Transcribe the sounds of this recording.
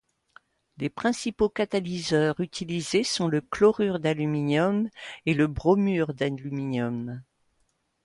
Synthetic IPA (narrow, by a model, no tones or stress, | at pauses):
lepχɛ̃sipokat̪alizœʁyt̪ʰilizesɔ̃ləklɔʁyʁd̪alyminjɔmeləbʁɔmyʁd̪alyminjɔm